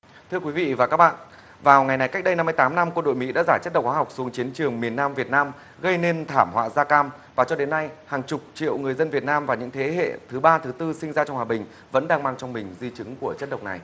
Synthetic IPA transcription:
t̪ʰɨ˧əkwi˨˦vḭ˧˨vaː˨˩kaː˦˥k̚ɓa̰ː˧˨n | vaː˨˩wŋa˨˩jna˨˩jka˦˥k̟̚ɗə˧jna˧mːɨ˧jt̪aː˨˦mna˧mkwə˧nɗo̰˧˨jmḭ˧˥ɗa̰ː˧˥zaː˧˩t͡ɕə˦˥ɗk͡p̚xwaː˨˦ɦwk͡p̚su˨˦əŋt͡ɕi˨˦ənt͡ɕɨ˨˩əŋmi˨˩ənːaː˧mvi˨˩ət̚naː˧m | ɣə˧jne˧nt̪ʰaː˧˩mhwa̰ː˧˨zaː˧kaː˧m | vaː˨˩t͡ɕɔ˧ɗe˨˦nːa˧jhaː˨˩ŋt͡ɕʊ˨˩k͡p̚t͡ɕḭ˧˨əwŋɨ˨˩əjzə˧nvi˨˩ət̚naː˧mvaː˨˩ɲɨ̰˧˥ŋt̪ʰe˨˦ɦḛ˧˨t̪ʰɨ˨˦ɓaː˧t̪ʰɨ˨˦t̪ɨ˧sï˧ŋ̟zaː˧t͡ɕɔ˧wŋ͡mhwaː˨˩ɓï˨˩ŋ̟ | və̰˧˥nɗaː˧ŋmaː˧ŋt͡ɕɔ˧wŋ͡mmï˨˩ŋ̟zi˧t͡ɕɨ˨˦ŋku˧˩ət͡ɕə˦˥t̚ɗə˨˩wk͡p̚na̰˨˩j

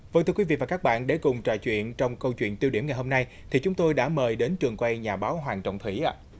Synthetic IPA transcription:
və˧˨ŋt̪ɨ˧kwi˨˦vḭ˧˨vaː˨˩kaː˦˥k̚ɓa̰ː˧˨nɗe˧˩kʊ˨˩ŋ͡mt͡ɕwa̰ː˧˨jt͡ɕwḭ˧˨ənt͡ɕɔ˧wŋ͡mkə˧wt͡ɕwḭ˧˨ənt̪i˧əwɗi˧˩əmŋa˨˩jɦo˧mna˧j | t̪ʰi˨˩t͡ɕʊ˨˦ŋ͡mt̪o˧jɗa̰ː˧˥məː˨˩jɗe˨˦nt͡ɕɨ˨˩əŋkwa˧jɲaː˨˩ɓaː˨˦wɦwaː˨˩nt͡ɕɔ̰˧˨ŋ͡mt̪ʰwḭ˧˩ʔaː˧˦

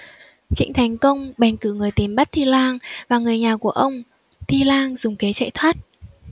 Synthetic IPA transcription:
t͡ɕḭ˧˥ŋ̟t̪ʰa˨˩jŋ̟kə˧wŋ͡mɓa˨˩ŋ̟kɨ̰˧˩ŋɨ˨˩əjt̪i˨˩mɓa˦˥t̚t̪ʰi˧lwaː˧ŋvaː˨˩ŋɨ˨˩əjɲaː˨˩ku˧˩əʔə˧wŋ͡m | t̪ʰi˧laː˧ŋzʊ˨˩ŋ͡mke˨˦t͡ɕa̰˧˨jt̪ʰwaː˦˥t̚

